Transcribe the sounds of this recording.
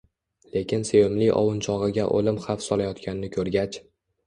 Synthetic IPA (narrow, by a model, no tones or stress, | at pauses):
le̞kʲɪnsejomliʔɒ̰wʊnt͡ʃʰɒʁɨɡʲaʔo̰lɪmχafsɒlajɒt̪kʲʰanɪnɪkʲʰɵɾɡʲat͡ʃ